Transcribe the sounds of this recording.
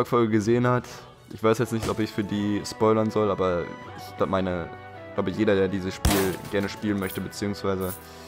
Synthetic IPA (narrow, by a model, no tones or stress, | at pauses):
ɔkfɔlɡəɡəzeːənhat | ʔɪçv̥aɪsjɛt͡stnɪçtɔpɪçfyːɐdiːspɔʏlɐnzɔlʔaːbɐ | ɪç̥laʊmaɪnə̥ | laʊbəjeːɾɐdeːɐdiːzəsʃpiːlɡɛɐnəʃpiːlənmœçtəbət͡siːʊŋsv̥aɪzə